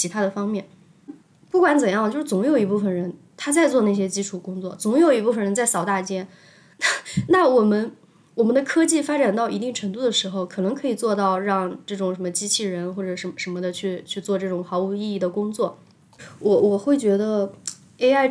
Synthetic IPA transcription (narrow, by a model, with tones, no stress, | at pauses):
t͡ɕʰi˧˥t̪ʰa˥d̪ə˨fɑ˥ŋmjɛ˥˩n | pu˥˩kwa˧˥nt͡sə˨˩njɑ˥˩ŋt͡ɕjo˥˧ʊʂɻ̩˥˩t͡sʊ˧˥ŋjo˨˩ʊi˧˥pu˥˩fə˨˩nɻə˧˥n | t̪ʰa˥t͡sa˥˧ɪt͡swɔ˥˧na˥˩ɕ̬jɛ˥t͡ɕi˥ʈ͡ʂʰu˨˩kʊ˥ŋt͡swɔ̰˥˩t͡sʊ˧˥ŋjo˨˩ʊi˧˥pu˥˩fə˨˩nɻə˧˥nt͡sa˥˩ɪsɑ˨˩ʊt̪a˥˩t͡ɕjɛ˥n | na˥˩na˥˩wɔ˨˩mə˦˥n | wɔ˨˩mə˦nd̪ə˧kʰɤ˥t͡ɕi˥˩fa˥ʈ͡ʂa˨˩nt̪ɑ˥˩ʊi˧˥t̪i˥˩ŋʈ͡ʂʰɤ˧˥ŋt̪u˥˩d̪ə˩ʂɻ̩˧˥xo˧ʊkʰɤ˨˩nɤ˧˥ŋkʰɤ˧˥i˨˩t͡swɔ˥˧t̪ɑ˥˧ʊɻɑ˥˧ŋʈ͡ʂɤ˥˩ʈ͡ʂʊ˨˩ŋʂə˧˥mə˧t͡ɕi˥t͡ɕʰi˥˩ɻə˧˥nxwɔ˥˩ʈ͡ʂɤ˨˩ʂə˧˥˩ʂə˧˥nmə˧d̪ə˩t͡ɕʰy˥˧t͡ɕʰy˥˧t͡swɔ˥˧ʈ͡ʂɤ˥˩ʈ͡ʂʊ˨˩ŋxɑ˧˥ʊu˨˩i˥˧i˥˩d̪ə˩kʊ˥ŋt͡swɔ˥˩ | wɔ˧˥wɔ˨˩xwe˥˩ɪt͡ɕɥɛ˧˥d̪ə˧ | e˥a˥˩ɪ